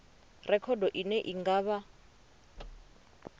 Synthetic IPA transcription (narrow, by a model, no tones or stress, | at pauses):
rɛkʰɔdɔʔinɛʔiŋɡaːβa